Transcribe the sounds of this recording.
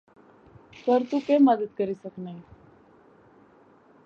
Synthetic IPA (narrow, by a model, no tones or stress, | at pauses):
səɾt̪ukeməd̪əd̪̚kəɾisəknai